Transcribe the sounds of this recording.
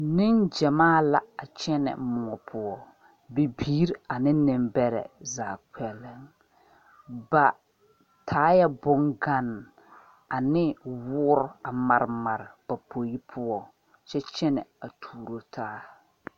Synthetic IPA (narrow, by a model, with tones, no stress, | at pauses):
nɪ˦nd͡ʒɛ˨maː˦˨la˨a˨t͡ʃɛ˦nɛ̰˨mʊ˨ɔ˨pʰʊ˦ɔ˦ | be˨biː˦ɾa˨nɪ˦nɪ˨mbɛ˦ɾɛ̰˨zaː˨k͡pɛ˨lːɪ˦ŋ | ba˨ | tʰaː˦jɛ˦bʊ˦ŋɡa˦n˨ | a˨nɪ˦wʊː˦ɾʊ˦a˨ma˨ɾɪ˨ma˨ɾɪ˨b̥a˨po˨ji˦pʰʊ˦ɔ˦ | t͡ʃɛ˦t͡ʃɛ˦nɛ˨a˨tʰuː˨ɾo˨tʰaː˦